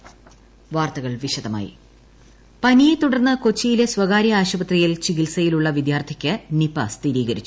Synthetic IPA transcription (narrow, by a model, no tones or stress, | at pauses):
ʋaːrt̪ɐɣɐɭʋiɕɐd̪ɐma̰ːjḭ | pɐnijet̪uɽɐrnːɐko̞t͡ɕːijile̞swɐɣaːɾjɐaːɕɐbɐt̪rijilt͡ɕiɣilsɐjiluɭːɐʋid̪jaːrt̪ʰikʲːɨnipːɐst̪iɾiːɣɐɾit͡ɕːu